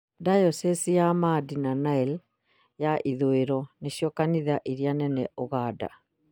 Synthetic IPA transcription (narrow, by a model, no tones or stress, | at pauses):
dajɔsɛsijamadinanaɛl | jaʔiðoeɾɔneɕijɔkaniðaʔiɾianɛnɛʔoɣaːda̰